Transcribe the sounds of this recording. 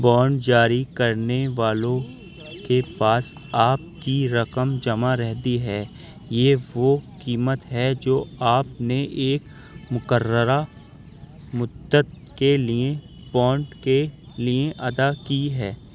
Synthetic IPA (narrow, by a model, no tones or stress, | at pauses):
bɔːɳɖd͡ʒaːɾikɐɾneʋaːlõ | kepaːsaːp̚kiɾɐkəmd͡ʒɐmaɾɛɦd̪iɦɛː | jeːʋokiːmət̪ɦɛd͡ʒoːaːpneʔeːk | mʊkəɾəɾa | mʊd̪ət̪̚ | kelie | bɔːɳɖke | lieʔɐd̪akiɦɛː